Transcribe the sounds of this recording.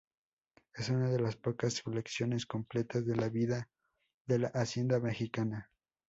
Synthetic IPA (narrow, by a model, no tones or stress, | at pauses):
e̞sunaðe̞laspo̞kasfoleksjo̞ne̞sko̞mple̞t̪azðe̞laβiða | ðe̞laʔasje̞nd̪ame̞xikana